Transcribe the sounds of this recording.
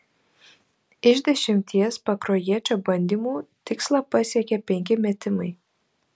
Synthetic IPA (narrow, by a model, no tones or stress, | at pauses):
ɪʒʲd̪ʲɛʃʲɪmʲt̪ʲiɛspɐkɾoːjiɛt͡ʃʲoːbɐnʲd̪ʲiːmuːt̪ʲɪkslˠɑpɐsʲiɛkʲɛpʲɛŋʲkʲɪmʲɛt̪ʲɪmɐɪ